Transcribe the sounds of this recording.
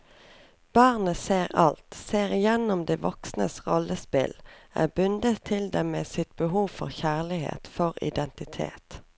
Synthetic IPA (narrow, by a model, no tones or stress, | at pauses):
b̥ɑːʁnəseːʁɑlt̪seːʁɪjɛnʊmd̪eːʋɔksnə̰sʁɔlːʔəspɪ̰lʔæ̰ːbʉnd̪ət̪ʰːɪld̪ɛmmeːsɪt̪̚b̥əɦuːʋfɔ̰ʁçæːʁlɪhḛːt̪fɔʁɪ̰d̪ɛnt̪ɪt̪ʰḛːt̪